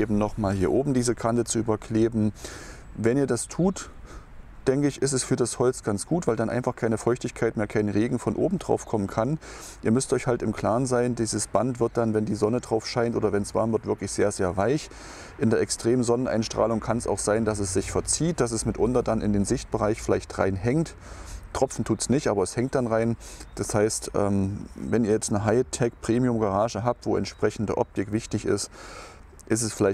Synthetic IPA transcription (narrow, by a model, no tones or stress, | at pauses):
ʔeːbm̩nɔχmaːlhiːɐʔoːbm̩diːzəkʰantət͡suʔyːbɐkʰl̥eːbm̩ | vɛniːɐdastʰuːt | d̥ɛŋkəɪçɪstɛsfyːɐdashɔlt͡sɡ̥ant͡sɡ̥uːtv̥aɪldanʔa̰ɪnfaχkʰaɪnəfɔʏçtɪçkʰaɪtmeːɐkʰaɪnʁeːɡŋ̩fɔnʔo̰ːbm̩dʁa̰ʊfkʰɔmənkʰan | ʔiːɐmʏstʔɔʏçhaltɪmkl̥aːʁnzaɪndiːzəsb̥antv̥ɪɐt̚d̥anvɛndiːzɔnədʁaʊfʃaɪntʔoːdɐvɛnsv̥a̰ɐmvɪɐtv̥ɪɐklɪçz̥eːɐzeːɐvaɪç | ʔɪndeːɐʔɛkstʁ̥eːmənzɔnənʔa̰ɪnʃtʁ̥a̰ːlʊŋkʰansa̰ʊxz̥aɪndas̬ɛsz̥ɪçfɛɐt͡siːt̚d̥as̬ɛsmɪtʔʊntɐdanʔɪ̰ndeːnzɪçt̚b̥əʁaɪçfɪlaɪçtʁa̰ɪnɦɛŋt | tʁ̥ɔp͡fn̩tʰuːtsnɪçtʔaːbɐɛshɛŋtd̥anʁaɪnd̥ashaɪstʔɛ̰ːmvɛniːɐjɛt͡stnəɦaɪtʰɛk̚pʁ̥eːmiʊmɡaʁaːʒəɦaːp̚tv̥oːɛ̰ntʃpʁ̥ɛçn̩dəʔɔ̰p̚tɪkv̥ɪçtɪçɪ̰st | ʔɪs̬ɛsfɪlaɪ